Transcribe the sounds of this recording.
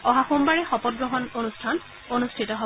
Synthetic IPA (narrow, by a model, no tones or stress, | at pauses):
ɔɦaxumbaɹɛxɔpɔt̚ɡɹɔɦɔnonustʰan | onustʰitɔɦo